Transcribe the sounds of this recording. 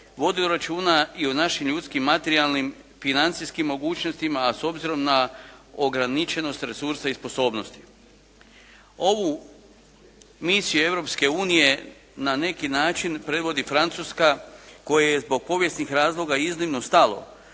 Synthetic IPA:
ʋo̞d̪id̪oɾat͡ʃuːnaionaʃimʎut̪skimːat̪eɾialˠnim | finant̪siskimːo̞ɡuːt͡ʃnost̪imaːso̞bziɾo̞mnaoɡɾanit͡ʃe̞no̞st̪ɾe̞suɾsaispo̞so̞ːbno̞st̪i̥ | o̞ʋu | misijue̞ʋɾo̞pske̞uːnije̞ | nane̞kinaːt͡ʃinpɾe̞d̪ʋo̞d̪ifɾant̪suskako̞jejezbo̞ɡ̚po̞ʋje̞snixɾaːzlˠo̞ɡaiznimnost̪alo̞̰

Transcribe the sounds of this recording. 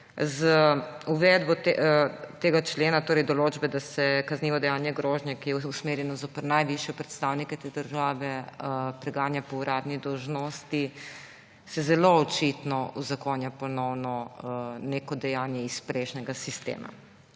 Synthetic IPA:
zuʋɛd̪bɔt̪t̪eːɡat͡ʃleːnat̪oːɾɛjd̪ɔloːd͡ʒbɛd̪asɛkazniːʋɔd̪ɛjaːnjɛɡɾoːʒnɛkijɛusmeːɾjɛnɔzopəɾnajʋiʃjɛpɾɛt̪st̪awnikɛt̪ed̪əɾʒaːʋɛpɾɛɡaːnjapɔuɾaːd̪nid̪ɔwʒnost̪i | sɛzɛloɔt͡ʃit̪nɔuzakoːnjapɔnɔwnɔneːkɔd̪ɛjaːnjɛispɾeʃnɛɡasist̪ḛːma̰

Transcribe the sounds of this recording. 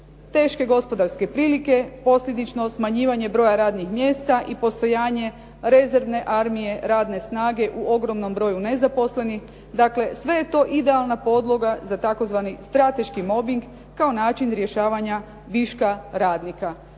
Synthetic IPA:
t̪e̞ːʃke̞ɡo̞spo̞d̪aɾske̞pɾiːlike̞po̞slʎʲe̞d̪it͡ʃno̞smaɲiːʋaɲe̞bɾo̞ːjaɾaːd̪nixmje̞ːst̪aʔipo̞st̪o̞jaːɲe̞ | ɾe̞ze̞ɾʋne̞ʔaɾmije̞ɾaːd̪ne̞snaːɡe̞ʔuo̞ɡɾo̞mno̞mbɾo̞june̞zapo̞sle̞nix | d̪akle̞sʋe̞je̞t̪o̞ʔid̪e̞alˠnapo̞d̪lˠo̞ɡazat̪ako̞zʋanist̪ɾat̪e̞ʃkimo̞biŋɡ | kːao̞naːt͡ʃinɾjeʃaːʋaɲa | ʋiʃkaɾaːd̪nika

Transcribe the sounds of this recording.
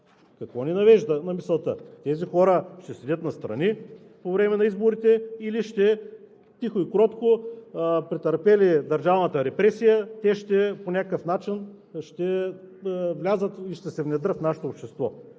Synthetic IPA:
kɐkvɔninɐvɛʒd̪ənɐmisɛlˠt̪ət̪ɛzixɔɾəʃt̪ɛsɛd̪ʲət̪nɐst̪ɾɐ̰ni | povɾɛmɛnɐizboɾit̪ɛiliʃt̪ɛ | t̪ixoikɾɔt̪ko | pɾit̪ɐɾpɛlid̪ɐɾʒavnət̪əɾɛpɾɛsijət̪ɛʃt̪ɛponʲakəkəfnat͡ʃin | ʃt̪ɛ | vlʲazət̪iʃt̪ɛsɛvnɛd̪ɾət̪fnaʃɛ̥t̪oːpʃt̪ɛst̪vɔ̰

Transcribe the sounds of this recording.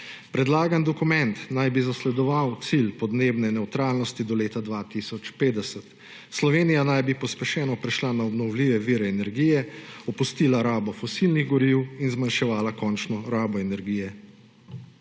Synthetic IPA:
pɾɛd̪laːɡand̪ɔkumɛnt̪najbizaslɛd̪ɔʋawt̪silpɔd̪neːbnɛnɛwt̪ɾaːlnɔst̪id̪ɔleːt̪ad̪ʋat̪isɔt͡ʃpeːd̪ɛsət̪ | slɔʋeːnijanajbipɔspɛʃɛːnɔpɾɛʃlanaɔbnɔwliːʋɛʋiːɾɛːnɛɾɡiːjɛɔpust̪iːlaɾaːbɔfɔsilniɣɡɔɾiwinzmanʃɛʋaːlakɔnt͡ʃnɔɾaːbɔɛnɛɾɡiːjɛ

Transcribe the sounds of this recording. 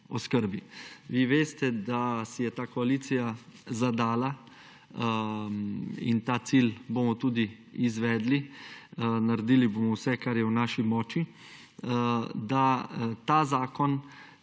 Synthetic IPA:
oskəɾbiʋiːʋeːst̪ɛd̪asijɛt̪aːkoaliːt̪sijazad̪aːla | ḭnt̪aːt̪siːlbomɔt̪uːd̪i | izʋɛːd̪li | naɾed̪iːliboːmɔwsɛkaɾjɛwnaːʃimɔːt͡ʃi | d̪at̪aːzaːkɔn

